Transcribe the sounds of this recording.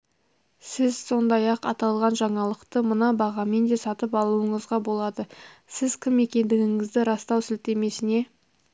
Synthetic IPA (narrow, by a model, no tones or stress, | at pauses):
sɪzso̞nd̪ɑjɑqɑ̰t̪ɑlˠʁɑnʒɑɴɑlˠəqt̪əmənɑbɑʁɑme̞nd̪e̞sɑt̪əpɑlˠuəɴəzʁɑbo̞lˠɑd̪əsɪzkʲʰɪme̞kʲe̞nd̪ɪɡʲɪŋɪzd̪ɪɾɑst̪ɑwsɪlt̪e̞me̞sɪne̞